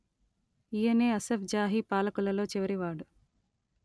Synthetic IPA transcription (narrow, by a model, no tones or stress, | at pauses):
ijɐneːɐsefd͡ʒaːɦipaːlɐkulɐlo̞ːt͡ʃiʋɐɾiʋaːɽu